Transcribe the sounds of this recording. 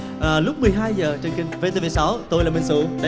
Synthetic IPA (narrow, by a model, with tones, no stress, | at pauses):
ʔəː˨˩lʊ˦˥k͡p̚mɨ˨˩əjɦaː˧jzəː˨˩t͡ɕe˧˩nkï˧ŋ̟ve˨˦t̪e˧ve˨˦sa˨˦wt̪o˧jlaː˨˩ɓe˨˩ŋsṵ˧˨˦ɗ